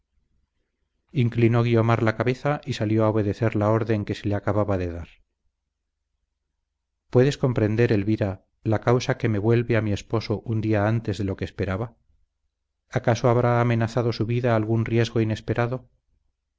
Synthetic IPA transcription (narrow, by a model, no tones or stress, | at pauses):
iŋklinoɣio̞maɾlakaβe̞θaʔisaljo̞aoβ̞e̞ðe̞θe̞ɾlao̞ɾðe̞ŋke̞se̞leakaβaβaðe̞ðaɾ | pwe̞ðe̞sko̞mpɾe̞nd̪e̞ɾe̞lβiɾa | lakawsake̞me̞βwe̞lβe̞amie̞spo̞so̞ʔund̪iaant̪e̞zðe̞lo̞keːspe̞ɾaβa | kasoaβɾaːme̞naθaðo̞suβiðaːlɣunrje̞zɣo̞ine̞spe̞ɾaðo̞